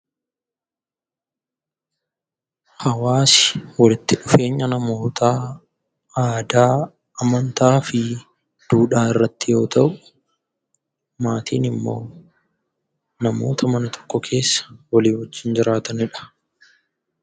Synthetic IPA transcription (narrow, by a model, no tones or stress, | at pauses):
hɐwaːsɪ̥wɐlɪt̪ːɪᶑʊfe̞ːɲːɐnɐmo̞ːt̪a | aːd̪aː | ɐmɐnt̪aːfɪ | d̪̥uːᶑaːɪrːɐt̪ːɪjo̞ːt̪ɐʔʊ̥ | maːt̪iːnɪmːo̞̰ː | nɐmo̞̰ːt̪ʰɐmɐnɐt̪ʰɔ̥kːɔkʰe̞ːsːɐ̥wɐliːhɔd͡ʒːɪnd͡ʒɪɾaːt̪ɐnɪᶑɐ̥